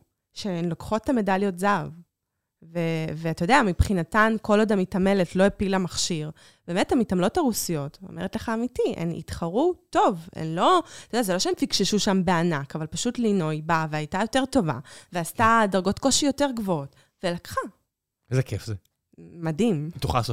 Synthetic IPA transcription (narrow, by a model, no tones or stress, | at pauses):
ʃemlokχo̞tːame̞daljo̞tzav | veveatajd̪eamipχinatanko̞lod̪amitame̞letlo̞epilamaχʃiʁ | beːmethamitamlo̞taʁusijo̞to̰mʔeʁetleχaːmitiḛnḭtχaʁuto̞vḛnlo̞t̪aodeazelo̞ʃeemfikʃeʃuʃambe̞anakavalpaʃutlino̞jbaveajtajo̞te̞ʁto̞va̰veastadaʁɡo̞tko̞ʃijo̞teʁɡvoot | velakχa | zekʰefzeː | adimet̪uχalso